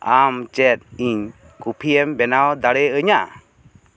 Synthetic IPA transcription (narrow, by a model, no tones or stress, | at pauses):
amt͡ʃɛt̪̚iɲ | kupʰiɛmbɛnawd̪aɽɛəɲaʔa̰